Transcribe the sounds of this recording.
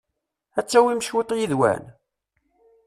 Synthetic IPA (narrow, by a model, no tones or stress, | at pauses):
æt͡sːæwimʃwet̪ˤjiðwæ̰n